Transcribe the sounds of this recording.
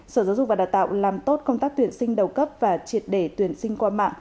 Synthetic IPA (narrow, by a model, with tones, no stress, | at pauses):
səː˧˩zaː˨˦zʊ˨k͡p̚vaː˨˩ɗaː˨˩wt̪a̰ː˧˨wlaː˨˩mt̪o˦˥t̚kə˧wŋ͡mt̪aː˦˥k̚t̪wi˧˩ənsï˧ŋ̟ɗə˨˩wkə˦˥p̚vaː˨˩t͡ɕi˨˩ət̚ɗe˧˩t̪wi˧˩ənsï˧ŋkwaː˧ma̰ː˧˨ŋ